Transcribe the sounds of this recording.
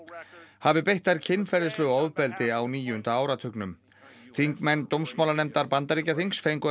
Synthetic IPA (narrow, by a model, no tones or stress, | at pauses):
havɪpejht̪aɾcʰɪnːfɛɾðɪslœːɣɔwðpɛlt̪ɪawniːjʏʏnt̪aaːwɾat̪ʰʏknʏm | θiŋkmɛnːt̪owmsmaːwlanɛmt̪aɾpant̪aɾicaθiŋksfejŋkʏ